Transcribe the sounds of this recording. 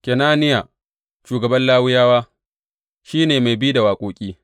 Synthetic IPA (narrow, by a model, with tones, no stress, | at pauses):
kʲɛ˨naː˦nɪ˦ja˨ | ʃuː˨ɡɐ˨bɐ˦nlaː˦wʊ˦jaː˦waː˦ | ʃiː˦neː˨ma˨jbi˦da˨waː˨kʷʼoː˨kʲʼiː˦